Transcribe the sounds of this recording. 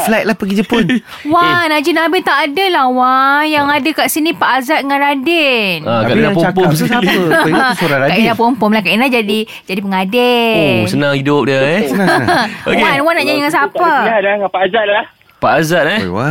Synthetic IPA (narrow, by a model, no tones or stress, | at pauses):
flat̪̚lahpəɡid͡ʒəpʊn | wanad͡ʒinabit̪aʔːdəlahwanjaŋadəkaʔsinĩpaʔazat̪̚ŋanɾadɛnakaʔdnapopomssa | soɾaakaʔinlapompɔmlahkainlad͡ʒadi | d͡ʒadip̬əŋadesənãŋhidʊp̚də | okwanwanaʔɲaɲŋans̬apaaaŋapaazat̪̚lah | paʔazat̪̚a